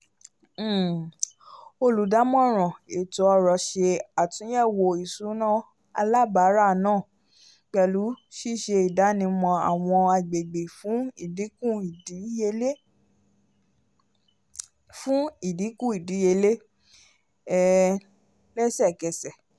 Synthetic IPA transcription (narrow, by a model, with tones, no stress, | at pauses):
o˧˨lu˨˦da˨˦mɔ̃˦˨ɾ̃ɔ̃˨e˨tɔ˧˦ɔ˧ɾɔ˨ʃe˧a˨tũ˧˦jɛ˦˨wo˧i˨su˨˦nã˦˨ | a̰˧la˦˨ba˨˦ɾa˦˨nãː˦˨ | k͡pɛ˧˨lu˨˦ʃi˦˨ʃe˧i˨da˨˦nĩ˧mɔ̃˧a̰˨w̃ɔ̃˧a˧ɡ͡be˨ɡ͡be˨fũ˨˦i˦˨di˨˦kũ˦˨i˨di˨˦je˧le˦ | fũ˦i˦˨di˨˦kũ˦˨i˨di˨˦je˧le˦ | ɛ˦˨ | lɛ˦sɛ˦˨kɛ˨˧sɛ˨